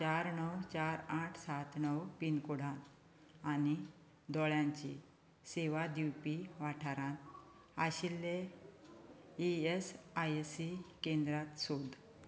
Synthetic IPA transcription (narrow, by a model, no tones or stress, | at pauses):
t͡ɕaɾnəwt͡ɕaɾaʈʰsat̪nəwpinkuɽãn | ani | d̪ɔɭjãɲt͡ɕḭ | seʋad̪iwpiʋaʈʰaɾãt̪ | aɕilːe | iesajsikẽnd̪ɾat̪sod̪